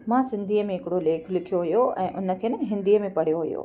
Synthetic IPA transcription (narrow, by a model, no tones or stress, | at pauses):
mãːsɪ̃nd̪ʱiːəmẽɦɪkɪɽoleːkʰlɪkʰijoɦʊjoʔɛ̰̃ːʔʊnə̆kʰeːnɐɦɪ̃nd̪ʱiːəmẽpɐɽ̤ijoɦʊjo̰ː